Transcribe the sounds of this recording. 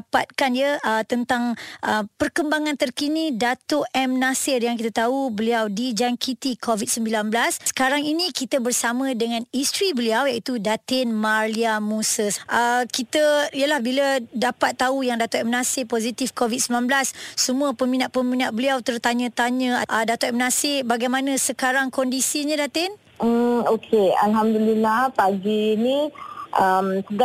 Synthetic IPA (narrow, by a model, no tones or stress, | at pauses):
pa̰t̪̚kandiəʔət̪ənt̪aŋʔəpərkəmbaŋãnt̪ərkinidat̪ʊʔɛmnasɪrjaŋkit̪at̪aubəliawdid͡ʒaŋkit̪ikʰovit̪̚səmbilanbəlassə̥kaɾaŋinĩkit̪əbərsamə̃dəŋãnist̪ɾibəliawjaʔit̪udat̪ɪnmaliamusəsʔəkit̪əijəlahbilədapat̪ːaujaŋdat̪aʔmənãsɪpozit̪ifkovid̪̚səmbilanblasːəmũəpəmĩnaʔ̪̚pəminaʔ̪̚bəliawt̪ərt̪aɲə̃t̪aɲə̃aʔədat̪aʔmənãsɪhbaɡajmanə̃səkaɾaŋkɔndisiɲãdat̪ɪn̩ | okʰea̰lɦamd̪ulilahpaɡiːniʔəmt̪əɡ